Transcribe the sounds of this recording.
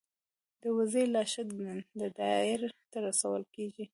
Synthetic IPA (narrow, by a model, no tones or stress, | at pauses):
d̪əwazelɑʃɪd̪ɡnənd̪əd̪ɑɪɾt̪aɾasawəlkeʒi